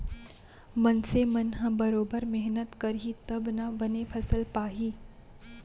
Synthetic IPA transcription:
mɐnsemɐnɦə̃bɐɾoːbəɾmɛɦnət̪kɐɾɦit̪ɐbnabɐnepʰɐsəlpaːɦiː

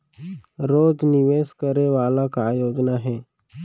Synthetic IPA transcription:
ɾoːd͡ʒnɪʋeːskəɾeʋaːlakaːjoːd͡ʒnaɦɛː

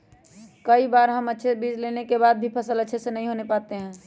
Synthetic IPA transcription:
kəibaɾɦəmətːʃʰebid͡ʒlenekebaːd̪̚bʱipʰəsələtːʃʰesenəɦĩɦonepaːt̪eɦɛ̃ː

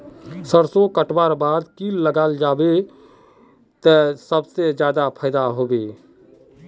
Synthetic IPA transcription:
səɾsõkəʈbaːɾbaːd̪kiːlːəɡaːld͡ʒaːbe | t̪əsəbsed͡ʒjaːd̪apʰəɪd̪aɦoːbeː

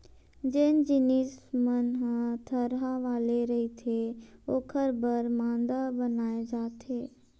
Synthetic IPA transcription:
d͡ʒeːnd͡ʒɪniːsmənɦãt̪ʰəɾɦaʋaːleɾɐɦit̪ʰeoːkʰəɾbəɾmãːnd̪abənaːed͡ʒaːt̪ʰeː

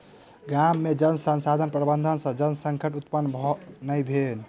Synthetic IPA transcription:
ɡamːed͡ʒənsənsad̪ʱənpɾəbənd̪ʱənsə̃d͡ʒənsəŋkʰəʈut̪pənːbʱɔnəjbʱen

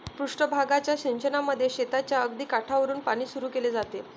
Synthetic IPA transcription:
pɾuʂʈəbʱaɡat͡ɕjaɕiɲt͡ɕənaməd̪ʱːjeɕet̪at͡ɕjaəɡd̪iːkaʈʰaʋəɾuːnpaɽ̃iːsuɾuːkeled͡zat̪e

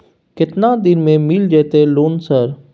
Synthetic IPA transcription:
kɪt̪nad̪ɪnmẽmiːld͡ʒɛːt̪eloːnsəɾ

